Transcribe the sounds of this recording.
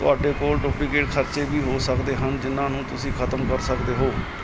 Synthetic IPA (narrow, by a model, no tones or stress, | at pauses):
t̪ʊ̰aːɖeːkoːlʈʊpɽiːkeːʈkʰəɾt͡ʃeːbiːɦoːsəkd̪eːɦənd͡ʒɪnːãːnũːt̪ʊsĩːkʰət̪əmkəɾsəkd̪eːɦoː